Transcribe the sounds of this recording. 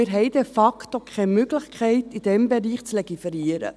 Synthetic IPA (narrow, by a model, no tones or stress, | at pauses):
ɪɾɦɛɪdɛfɑktokʰχɛmʏɡləχkʰɛɪtid̥ɛmbɛɾiːχt͡slɛɡ̥ifɛɾiəɾə̰